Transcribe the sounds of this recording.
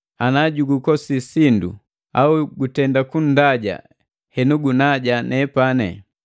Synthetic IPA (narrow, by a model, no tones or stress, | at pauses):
anaɟuɡukɔsisindṵ | auɡutɛndakun̩daɟa̰ | hɛnuɡunaɟanɛpanɛ̰